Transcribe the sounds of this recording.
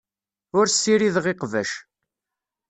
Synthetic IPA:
ʊɾsːiɾiðʁeqvæ̰ʃ

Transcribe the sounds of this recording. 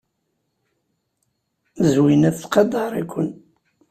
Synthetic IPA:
zwinæθθqɑd̪ɑɾˤikʷːən

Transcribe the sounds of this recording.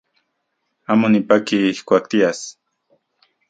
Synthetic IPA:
amʊnɪpakikʷwak̚t̪ias

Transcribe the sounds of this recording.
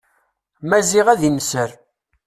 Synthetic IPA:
mæziʁæðinsəɾ

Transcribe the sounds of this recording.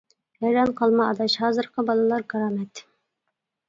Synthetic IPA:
ɛɾɑmqʰɑlˠmɑɑd̪ɑʃhɑːzɨɾqʰəbɑlˠɨlˠɑɾɡɑɾɑːmɛt̪

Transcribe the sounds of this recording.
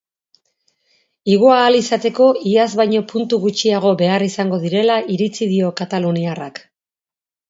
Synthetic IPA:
iɣoaːlisat̪e̞ko̞iazβajɲo̞punt̪uɣut͡ʃiaɣ̞o̞βe̞arisaŋɡo̞ð̞iɾe̞laʔiɾit͡siðio̞kat̪aluniarak

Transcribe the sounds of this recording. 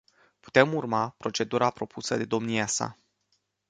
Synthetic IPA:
pu̥t̪e̞murmapɾo̞t͡ʃe̞d̪uɾapɾo̞pʰusəd̪e̞d̪o̞mniasa̰

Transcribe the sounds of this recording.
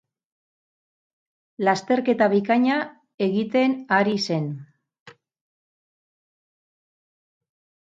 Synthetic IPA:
last̪e̞ɾke̞t̪aβ̞ikaɲa | e̞ɣit̪e̞naɾise̞n

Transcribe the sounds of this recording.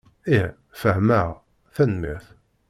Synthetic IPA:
i | fəhmæʁ | θænmḭθ

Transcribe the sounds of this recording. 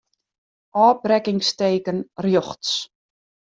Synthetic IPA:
ʔɑːprɛkɪŋsteːkənrjɔχts

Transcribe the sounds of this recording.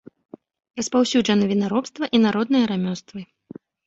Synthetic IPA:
ɾɐspawsʲud͡ʐɐnɐvʲinaɾɔpst̪vɐʔinaɾɔd̪̚nɨjɐɾamʲɔst̪vɨ

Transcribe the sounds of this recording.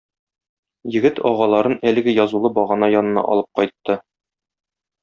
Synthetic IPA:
jɘ̆ɡɘt̪ʰɒʁɑlˠɑɾɤnælɘ̆ɡɘjɒzulˠɤbɒʁɑnɑjɒnɤ̆nɑ̰ʔɒ̰lˠɤp̚qɒjt̪ːɤ

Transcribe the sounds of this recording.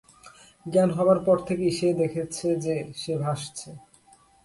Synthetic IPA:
ɡɛnɦɔbaɾpɔɾt̪ʰekeiʃed̪ekʰet͡ɕʰed͡ʑeʃebʱaʃt͡ɕʰe

